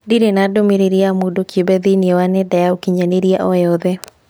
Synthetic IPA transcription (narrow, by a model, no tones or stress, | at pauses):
diɾenadomiɾeɾiamodokjobɛðiniewanɛdɛjaokiɲaneɾiaʔɔɛɔðe